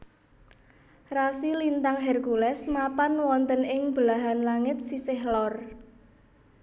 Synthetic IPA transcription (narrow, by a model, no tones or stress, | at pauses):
rasilint̪aŋɦɛrkulɛsmapanwɔnt̪ənɪŋb̥əlaɦanlaŋɪt̪̚sisɪhlɔr